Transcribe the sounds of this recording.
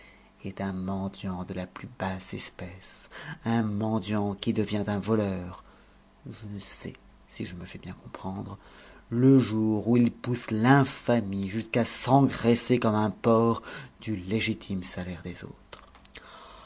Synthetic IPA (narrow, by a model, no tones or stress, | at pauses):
ɛt̪ɛ̃mɑ̃d̪jɑ̃d̪əlaplybasɛspɛsɛ̃mɑ̃d̪jɑ̃kʲid̪əvjɛ̃t̪ɛ̃vɔlœːʁ | ʒənəsɛ̰ | siʒəməfɛbjɛ̃kɔ̃pχɑ̃d̪ʁə | ləʒuʁuilpuslɛ̃famiʒyskasɑ̃ɡʁesekɔmɛ̃pɔʁd̪yleʒit̪ʰimsalɛʁd̪ezo̰ːt̪χ